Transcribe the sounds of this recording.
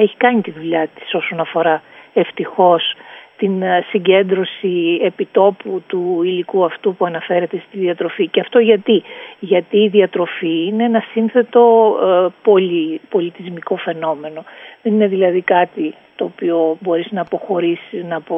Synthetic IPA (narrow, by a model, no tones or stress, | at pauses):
e̞çi̥kɐɲit̪iðuʎɐt̪i̥so̞so̞nɐfo̞ɾɐe̞ft̪ixo̞st̪insiɲɟe̞nd̪ɾo̞siepit̪o̞put̪uilikuɐft̪upuɐnɐfe̞ɾe̞t̪e̞st̪iðiɐt̪ɾo̞ficeɐft̪o̞ʝɐt̪iʝɐt̪iːðiɐt̪ɾo̞fiineenɐsinθe̞t̪o̞polipo̞lit̪izmiko̞fe̞no̞me̞no̞ðe̞nine̞ðilɐðikɐt̪i | t̪o̞ːpio̞bo̞ɾiznɐːpo̞xo̞ɾisinɐpo